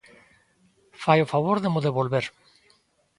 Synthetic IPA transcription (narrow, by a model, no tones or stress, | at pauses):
fajofaβ̞oɾðemoðeβ̞olβeɾ